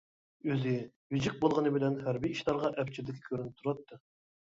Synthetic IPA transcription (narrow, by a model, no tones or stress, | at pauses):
øzɪ | vɪd͡ʒiq̚bolˠʁənɨbɪlɛnhæɾbiːʃlˠɑɾʁɑʔɛpt͡ʃʰid̪ɪkʲʰi̥kʲʰøɾynɪp̚t̪ʰuɾɑt̪ʰːɨ